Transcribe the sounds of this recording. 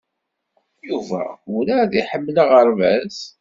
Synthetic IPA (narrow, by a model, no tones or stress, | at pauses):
juvæ̰ʊɾaðiħəmːlaʁəɾvæs